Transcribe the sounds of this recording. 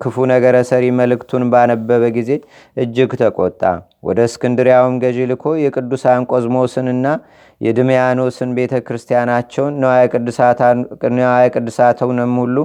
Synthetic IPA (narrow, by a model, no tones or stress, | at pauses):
kʰɨfunəɡəɾəsəɾiməlɨkt̪ʰunbanəbːəβəɡize̞ | ʔɨd͡ʒːɪɡt̪ʰəkʼot̪ʼːa̰ | wɔ̰d̪əskʰɨnd̪ɨɾjawumɡəʒelɨkʰo̞jɛkʼɨd̪ːusankʷʼozmo̞sɨnɨnːa | jɛd̪ɨmjano̞sɨnbe̞t̪ʰəkɾɨst̪ʰijanat͡ʃːɛwnːəwakʼɨd̪ːɨsatnwajkʼɨd̪ːɨsat̪ʰəwnəmːhulːu